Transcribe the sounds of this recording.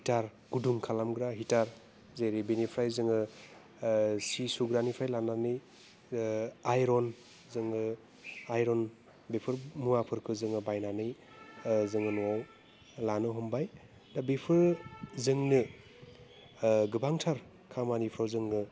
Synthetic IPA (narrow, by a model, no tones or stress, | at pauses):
hitaɾ | ɡ̥uduŋkʰalamɡɾaɦitaɾ | zeɾibinipʰɾajzɯŋɯ | sisuɡɾanipʰɾajlananɯj | ajɾɔn | zɯŋɯ | ajɾɔn | bepʰɯɾmuapʰɯɾkʰɯzɯŋɯbajnanɯj | zɯŋɯnuwaw | lanɯɦɔmbaj | dabipʰɯɾzɯŋnɯ | ɡɯbaŋtʰaɾ | kʰamanipʰɾawzɯŋnɯ